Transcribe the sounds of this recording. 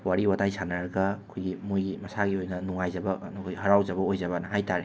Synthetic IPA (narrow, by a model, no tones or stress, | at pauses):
waɾiwatajsʰanɐɾɐɡɐkʰojɡimojɡimɐsaɡiojnɐnuŋajd͡ʒɐbɐnɐkʰojhɐɾawd͡ʒɐbɐojzɐbɐnɐɦajtaɾe